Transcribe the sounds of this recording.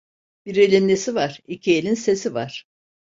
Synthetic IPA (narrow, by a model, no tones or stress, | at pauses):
b̥iɾelʲimlʲesivaɾ̥icʰielʲinse̞sivaɾ̥